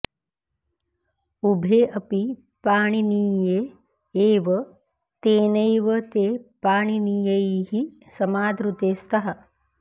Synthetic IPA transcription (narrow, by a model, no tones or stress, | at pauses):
ubʱeːʔɐpi | paːɳiniːjeː | ʋɐ | t̪eːnɐjʋɐt̪eːpaːɳiniːjɐiɦi | sɐmaːd̪ɾut̪eːst̪ɐɦɐ